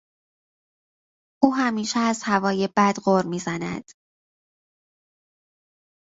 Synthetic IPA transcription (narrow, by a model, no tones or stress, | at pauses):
ʔuːɦæmiːʃɛæz̥hævɒːje̞bæd̪ɢoɾmiːzænæ̰d̪̥